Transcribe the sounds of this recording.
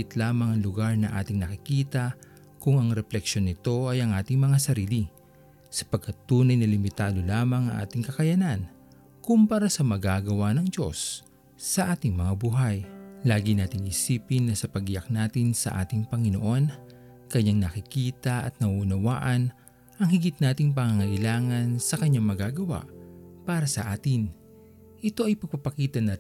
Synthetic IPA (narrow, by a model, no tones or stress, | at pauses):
ɪt̪laːmɐŋɐŋlʊɡaɹnɐʔa̰ːt̪ɪŋnɐkɪkiːt̪ɐ | kʊŋɐŋɾɛplɛkʃo̞nɪt̪o̞ɐjɐŋʔaːt̪ɪŋmɐŋasɐɾiːli | sɐ̥pɐɡ̚kʰɐt̪ːuːnɐjnɐlɪmɪt̪aːd̪o̞laːmɐŋɐ̰ŋʔa̰ːt̪ɪŋkɐkɐjɐnan | kʊmpɐɾasɐmɐɡaːɡɐwanɐŋd͡ʒo̞sː | ɐʔaːt̪ɪŋmɐŋabuɦɐjlaːɡɪnaːt̪ɪŋʔɪsiːpɪnːɐsɐpɐɡjak̚naːt̪ɪnsɐ̰ʔa̰ːt̪ɪŋpɐŋɪno̰ʔo̞n | kɐɲːaŋnɐkɪkiːt̪ɐʔɐ̰t̪̚nɐuʊnɐwaːʔɐn | ʔɐŋhɪɡɪt̪̚naːt̪ɪŋpɐŋaŋɐʔɪlaːŋɐnsɐkɐɲːaŋmɐɡaːɡɐwa̰ʔpaːɾɐsɐʔaːt̪ɪn | ʔɪt̪o̞ʔɐjpɐɡ̚pɐpɐkiːt̪ɐnɐ